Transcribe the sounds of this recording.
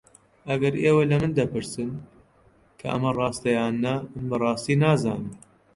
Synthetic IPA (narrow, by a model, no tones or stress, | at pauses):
ʔɐɡɐɾeːwɐlɐmɨnd̪ɐpɨɾsɨn | kʰɐ̰ʔɐ̰mɐrɑːst̪ɐjaːnːɐmɨnbɐrˤɑːst̪iːnaːzaːni